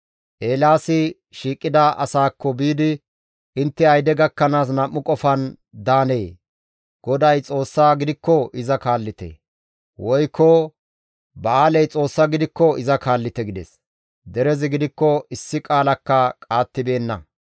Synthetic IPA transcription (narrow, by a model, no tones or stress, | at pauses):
ʔe̞ːlaːsɪ | ʃiːkʼːɪd̪aʔɐsaːkʰːɔbiːd̪ɪ | ɪnt̪ːɛɐjd̪ɛɡɐkːɐnaːs̬nɐmːʊkʼɔfɐn | d̪aːne̞ː | ɡ̥ɔd̪ɐjt͡sʼo̞ːsːaːɡɪd̪ɪkːɔɪzɐkaːlːɪt̪ḛ | wɔjkːɔ | bɐaːlɛjt͡sʼo̞ːsːɐɡɪd̪ɪkːɔɪzɐkaːlːɪt̪ɛɡɪd̪ɛ̰s | d̪ɛɾɛzɪɡɪd̪ɪkːɔɪsːɪkʼaːlɐkːɐkʼaːt̪ːɪbe̞ːnːɐ̰